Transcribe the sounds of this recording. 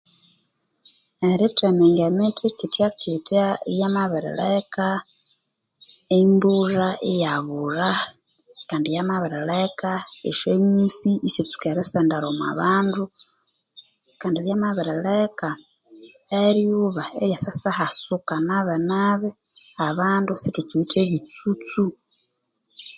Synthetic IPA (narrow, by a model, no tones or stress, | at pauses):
eɾitemeŋɡemetʰicitjat͡ʃitajamaβiɾḛla̰ka | emburaʔejaβuɾa | kaːndijamaβiɾalakaḛʃemisiːset͡su̥keɾesendaɾomwa̰βaːndu | kaːndiɾjamaβiɾelaka | eɾjuβaeɾjasasahasukanaβenaβe | aβaːndusitut͡suiteβit͡sut͡su